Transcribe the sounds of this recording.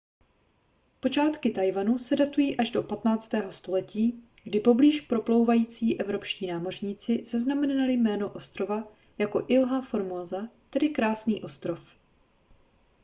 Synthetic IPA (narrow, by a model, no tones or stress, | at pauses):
po̞t͡ʃaːt̪kɪt̪ajvanusɛdat̪ujiːʔaʒdo̞pat̪naːt͡st̪ɛːɦo̞st̪o̞lɛciː | ɡdɪpo̞bliːʃpɾo̞plo̞wvajiːt͡siːʔɛvɾo̞pʃciːnaːmo̞r̝ɲiːt͡sɪzaznamɛnnalɪmɛːno̞ʔo̞st̪ɾo̞va | jako̞ʔɪlɦafo̞ɾmozat̪ɛdɪkɾaːsniːʔo̞st̪ɾo̞f